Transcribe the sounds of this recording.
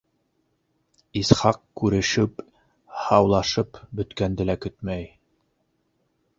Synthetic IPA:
isχɑqkʉɾɘ̆ʃɘp | hɑwlˠɑʃɤpbɵ̆t̪kænd̪ɘ̆lækɵt̪mæj

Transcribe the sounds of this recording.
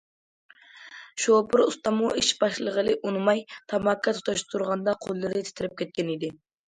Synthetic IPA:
ʃopʊɾust̪ɑmuiʃb̥ɑʃlˠəʁəlˠɨʔunmɑjt̪ʰɑmɑkʰːɑt̪ʰu̥t̪ʰɑʃt̪ʰuɾʁɑnd̪ɑqʰolˠːɨɾd̪ɪt̪ʰɪ̥t̪ɪɾɪp̚kʲʰɛt̪̚kʲɛnid̪ɪ

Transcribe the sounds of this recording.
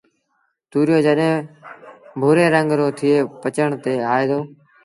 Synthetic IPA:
t̪uːɾjoːd͡ʒəɗɦẽː | bʱuːɾeːɾəŋɡɾoːt̪ʰɪeːpət͡ʃəɳt̪eːaːeːd̪oː

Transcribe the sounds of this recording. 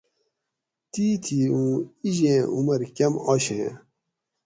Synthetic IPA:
t̪iːt̪ʰiːũːiʑẽːʔumɐɾkɐmɔɕḛ̃ː

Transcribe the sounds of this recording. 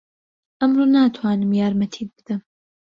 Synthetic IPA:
ʔɐmroːnaːt̪ʰwaːnɨmjaːɾmɐt̪ʰiːd̪̚bɨd̪̥ɐm

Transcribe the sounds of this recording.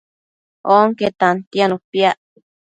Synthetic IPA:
oŋket̪ant̪ianũpiaʔ

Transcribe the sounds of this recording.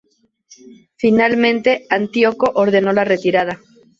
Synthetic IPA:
finalmẽ̞nt̪e̞ant̪joko̞ʔoɾðe̞no̞lare̞t̪iɾað̞a

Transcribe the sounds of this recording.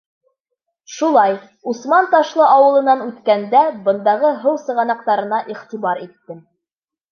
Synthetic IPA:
ʃulˠɑj | usmɑnt̪ɑʃlˠɤʔɑwɤ̆lˠɤ̆nɑnʉt̪kænd̪æbɤ̆nd̪ɑʁɤɦɤwsɤ̆ʁɑnɑq̚t̪ɑɾɤ̆nɑʔiχt̪ibɑɾit̪ːɘm

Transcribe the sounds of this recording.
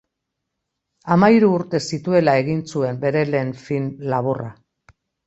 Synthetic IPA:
amaiɾuːɾt̪e̞sit̪ue̞lae̞ɣ̞int͡sue̞mbe̞ɾe̞le̞ːnfinlaβ̞ora

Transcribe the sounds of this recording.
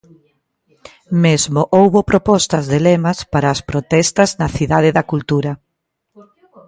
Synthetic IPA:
mezmoʔowβopɾopɔst̪ɐzðelɛmɐspaɾaːspɾot̪ɛst̪ɐznɐθiðaðeðɐkult̪uɾɐ

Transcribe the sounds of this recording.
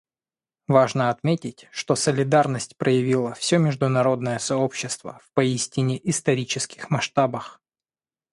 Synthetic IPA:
vaʐnəɐt̪mʲetʲɪtʲʂt̪o̞səlʲɪd̪arnəsʲtʲpɾʔəjɪvʲilˠəfsʲɵmʲɪʐd̪ʊnɐɾo̞d̪nəjəsɐo̞pɕːɪst̪və̰fpɐisʲtʲɪnʲɪʔɪst̪ɐɾʲit͡ɕɪskʲɪ̥xmɐʂt̪abəx

